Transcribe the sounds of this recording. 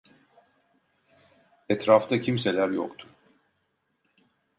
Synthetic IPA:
ɛt̪ɾaft̪acʰimselʲæɾjo̰kt̪ʰu

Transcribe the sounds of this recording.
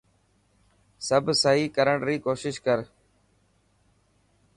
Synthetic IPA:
səbʱsəɦiːkəɾəɳʈɾiːkoːʃɪʃkəɾ

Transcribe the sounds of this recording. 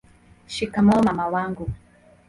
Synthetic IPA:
ʃikamɔmamawaŋɡu

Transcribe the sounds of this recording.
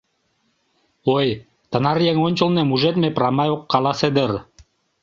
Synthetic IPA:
oj | t̪ɤ̆nɑrjeŋonʲt͡ɕŏlnemuʒet̪meprɑmɑjoqːɑlˠɑsed̪ər

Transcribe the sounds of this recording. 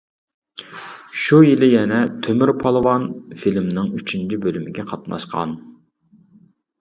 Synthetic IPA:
ʃujilɪjɛnɛt̪ʰømyɾpʰɑlˠɨwɑnfilmnɨŋyt͡ʃʰynt͡ʃʰibølymɪɡʲɛqʰɑt̪nɑ̰ʃqʰɑ̰n

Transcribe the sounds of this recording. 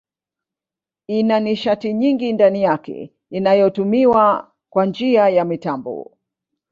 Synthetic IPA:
inaniʃatiɲiŋɡindanijakɛ̰ | inajɔtumiwa | kwand͡ʒiajamitambɔ̰

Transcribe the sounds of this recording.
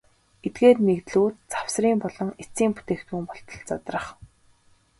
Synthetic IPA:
et̪̚ɡeːrmekt̪ɮuːt̪t͡sḁw̥sriːmpɔɮɞ̆ŋet͡siːmput̪eːxt̪uːmpɔɬt̪ɞ̆ɮt͡sat̪rə̆χ

